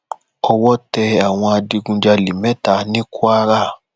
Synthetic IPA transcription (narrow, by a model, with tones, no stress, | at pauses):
ɔ˧wɔ˦tɛ˧a˨w̃ɔ̃˧a˧di˧ɡũ˧d͡ʒa˧li˨mɛ̃˦ta˨˦nĩ˦kʰu˦a˦ɾa˦˨